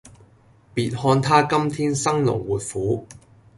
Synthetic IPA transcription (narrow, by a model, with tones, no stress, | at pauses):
piː˨t̚hɔː˧nt̪ʰaː˥kɐ˥mt̪ʰiː˥nsɐ˥ŋlʊ̰˨˩ŋwuː˨˩t̚fuː˨˥